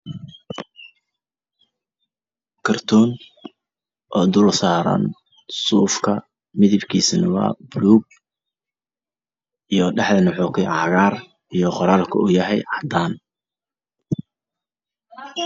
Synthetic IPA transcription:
kʰɐrt̪ʰuːn | ʔɔːd̪ʊlsaːɾɐ̰n | suːfkʰɐ | mɪðɪbkʰiːsnɐwɑ̰ːbʊluːb̚ | ʔijɔɖɛħd̪ɐnʊħɔːkʰɛjʔɑɣaːr | ijɔqɔɾaːlkʰɐʊjɐɦɛjʕɑd̪aːn

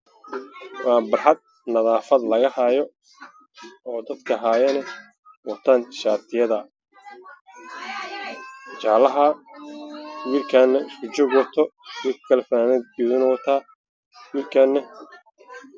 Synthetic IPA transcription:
wɑːbɐrħɐd̪̚ | nɐðaːfɐd̪lɐɣɐhɐjɔ | ɔːd̪ɐd̪kʰɐɦaːjɐnɐ | wɐt̪ʰaːnʃaːt̪ʰɪjɐðɐ | t͡ʃaːlɐɦɐ | wiːlkʰaːnːɐɪskʰʊt͡ʃɔːɡwɔt̪ʰɔwikkʰɐlɛfɐnaːnɛd̪̚iðɪnɔwt̪ʰaː | wiːlkʰaːnːɐ

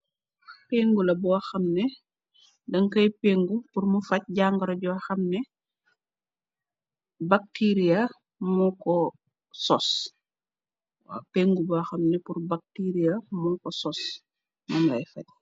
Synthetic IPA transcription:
peːŋɡulɐbɔɐxɐmnɛ | dɐŋkɐjpeːŋɡupurmufɐc̚ɟaːŋɡɐɾɐɟuɐxɐmnɛ | bak̚tiɾiɐ | mɔkɔ | sɔs | wa̰peːŋɡubuɐxɐmnɛpurbak̚tiːɾijɐmɔkɔsɔs | mɐnlɐ̰jfɐ̰c̚

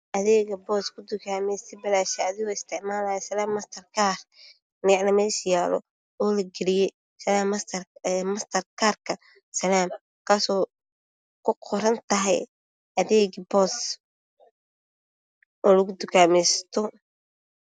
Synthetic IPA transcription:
ʔɐðɛːɣɐbɔːskʰʊd̪ʊkʰaːmɛjst̪ʰɛbɐlaːʃɐɐðɪɣɔːɪst̪ʰɪʕmaːlaːjɐsɐlaːmːɐst̪ʰɐrkʰaːr | nɪʕnɐmɛʃjaːlɔ̰ | ɔːlɐɡɛlɪjɛ | sɐlaːmːɐst̪ʰɐmɐst̪ʰɐrkʰaːrkʰɐ | sɐlaːm | kʰaːsɔː | kʰʊqʰɔɾɐnt̪ʰɐɦɛ̰j | ʔɐðɛːɡbɔːs | ɔːlɐɣʊd̪ʊkʰaːmɛjst̪ʰɔ

